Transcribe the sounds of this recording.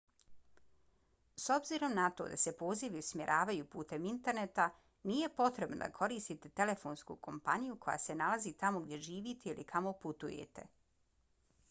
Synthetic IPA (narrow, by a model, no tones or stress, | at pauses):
so̞bziɾo̞mnat̪o̞̰d̪ase̞po̞ːziʋiusmjḛɾʔaːʋajupuːt̪e̞mint̪e̞ɾne̞t̪a | nije̞po̞t̪ɾe̞bno̰d̪a̰kʰo̞ɾiːst̪it̪e̞t̪e̞le̞fo̞ːnskṵːkʰo̞mpaɲijuko̞ja̰se̞nalazit̪amo̞ɡ̚d̪ʲje̞ʒiːʋiːt̪eilḭkʰamo̞put̪ujḛt̪e̞̰